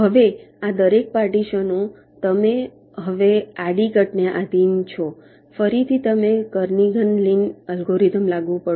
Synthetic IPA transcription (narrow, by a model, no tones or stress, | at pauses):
ɦəʋead̪əɾek̚paɾʈiʃənõ | t̪əme | ɦəʋeaɽiɡəʈneʔad̪int͡ʃʰo | fəɾit̪ʰit̪əmekəɾniɡʱənlinəlɡoɾit̪əmlaɡʋũpə